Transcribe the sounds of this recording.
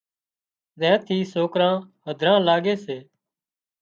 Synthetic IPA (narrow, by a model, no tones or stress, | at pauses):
zɛ̃ːt̪ʰiːsoːkɾãːhəd̪ʱɾãːlaːɡeːseː